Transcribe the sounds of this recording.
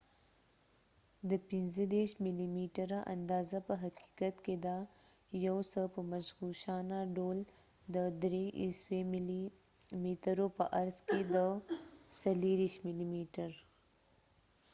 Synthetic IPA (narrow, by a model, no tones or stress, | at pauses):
d̪əpɪnzəd̪eɾʃmɪlimiʈəɾaʔa̰nd̪ɑzapəɦaqi̥kat̪ked̪a | jawsəpəmaʃɣuʃɑnaɖol | d̪əd̪ɾeʔḭswe | miʈəɾopəʔaɾzked̪əsaliɾiʃmɪlimiʈəɾ